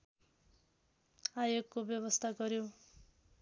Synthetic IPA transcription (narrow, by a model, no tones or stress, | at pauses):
ajoɡkobjʌβʌst̪ʰaɡʌɾjo